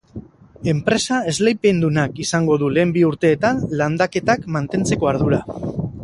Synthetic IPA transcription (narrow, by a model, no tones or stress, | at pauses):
e̞mpɾe̞sae̞zle̞jpe̞nd̪unakisaŋɡo̞ð̞ule̞ːmbiuɾt̪e̞ːt̪anland̪ake̞t̪akmant̪e̞nt͡se̞ko̞aɾð̞uɾa